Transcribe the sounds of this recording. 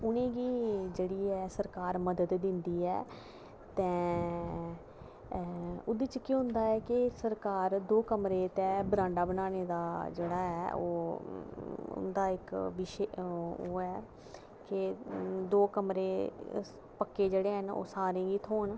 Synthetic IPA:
ʊnẽːɡiːd͡ʒeːɽiːɛːsəɾkaːɾməd̪əd̪d̪ɪnd̪iːɛː | t̪ɛ̃ː | ʊd̪iːt͡ʃkiɦʊ̃nd̪aːɛːkɪsəɾkaːɾd̪oːkəmɾeːt̪ɛ̃ːbəɾãːɳɖaːbənaːneːd̪aːd͡ʒeːɽaːɦɛːo̰ː | ʊ̰nd̪aːɪkʋɪʃeoːɛː | kɪd̪oːkəmɾeː | pəkːeːd͡ʒeːɽeːɦəno̰ːsaːɾẽːɡiːt̪ʰoːɳ

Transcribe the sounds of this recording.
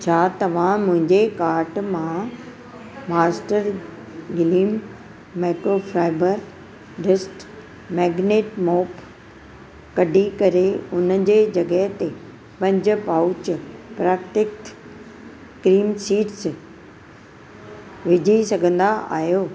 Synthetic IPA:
t͡ɕʰaːt̪ɐʋ̤ãmʊ̃ɦɪ̃ɲd͡ʑekaːɾʈmã | maːsʈəɾ | ɡɪliːmː | eːkɾofʰɾaːɪbəɾ | ɖɪsʈ | mɛːɡneːʈmɔːp | kɐɖʱikɐɾeʊn̤əd͡ʑeːd͡ʑɐɡəɦɪt̪e | pɐ̃ɲd͡ʑʊ̆paːʊt͡ɕpɾaːkʈ̪ɪkt̪ | kɾiːmsiːʈs | ʋɪd͡ʑʱisɐɡʱə̃nd̪aʔa̰ːɦijoː

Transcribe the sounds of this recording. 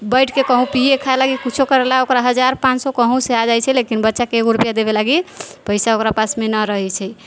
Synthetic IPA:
bəjʈkekəɦũpijekʰaelaɡikut͡ʃʰokəɾelaokɾaɦəd͡ʒaɾpãt͡ʃsɔkəɦũsead͡ʒajt͡ʃʰɛlekinbətːʃakeːkɾupjad̪eβelaɡipəɪjsaokɾapasmenəɾəɦɛt͡ʃʰɛ

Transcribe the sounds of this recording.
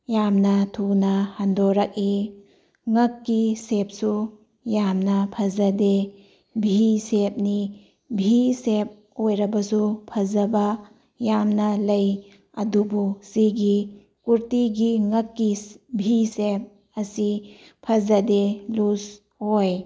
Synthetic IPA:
jamnɐtʰunɐhandoɾak̚i | ŋɐkːisep̚su | jamnɐpʰɐzɐde | bʱisep̚ni | bʱisep̚ | ojɾɐbɐsupʰɐzɐba | jamnɐlɐj | ɐ̰dubusiɡi | kuɾtiɡiŋɐkːibʱisep̚ | ɐsi | pʰɐzɐdelus | hoj

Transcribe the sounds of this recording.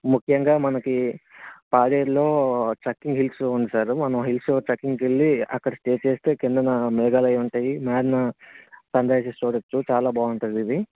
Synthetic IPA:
mukʰjɐŋɡaːmɐnɐki | paːɽeːɾlo̞ːʈɾɐkːiŋɡɦilpsund̪isaːɾmɐnɐmɦilpsoːʈɐkːiŋɡkeɭːiɐ̰kːɐɽɐsʈeːt͡ʃeːst̪e̞ːkind̪ɐnamɛːɡaːlɐjuɳʈaːjimaːɾnɐsɐnd̪ɐsest͡ʃuːɽɐt͡ʃːut͡ʃaːlaːbaːuɳʈund̪id̪i

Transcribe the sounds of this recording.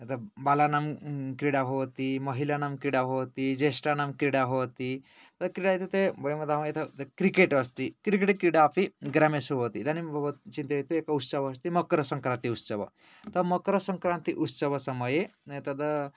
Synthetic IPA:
t̪əbalanamkɾiɽaɦot̪iməɦilanamkɾiɽaɦot̪id͡ʒesʈanamkɾiɽaɦot̪i | t̪əkɾiɽaɦet̪ut̪ebəjeməd̪ʱaʋjet̪ʰət̪kɾikeʈəst̪ikɾikeʈikɾiɽaːpiɡɾamesɦot̪id̪anibb̪t͡ʃint̪eɦet̪uekaut̪səʋəst̪iməkɾəsəŋkɾãnt̪iut̪səʋə̰ | t̪əməkɾəsəŋkɾãnt̪iʔut̪səʋəsəməjet̪əd̪ə

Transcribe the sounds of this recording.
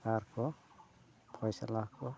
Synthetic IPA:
kaɾkʰɔ | pʰɔjsalakɔ

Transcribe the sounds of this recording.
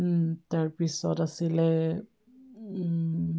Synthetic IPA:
t̪aɹpisɔtasilɛ

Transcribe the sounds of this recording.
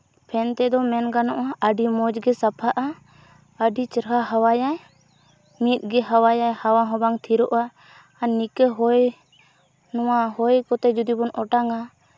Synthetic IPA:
pʰɛnt̪ɛd̪ɔmɛnɡanɔʔaəɖimɔd͡ʒɡɛsapʰaʔa | əɖit͡ʃɾɦaɦawajaj | mit̪̚ˀɡɛɦawajajhawaɦɔ̃baŋt̪ʰiɾɔʔaː | nːikɛɦɔj | nɔwaɦɔjkɔt̪ɛd͡ʒud̪ibɔnɔʈaŋa

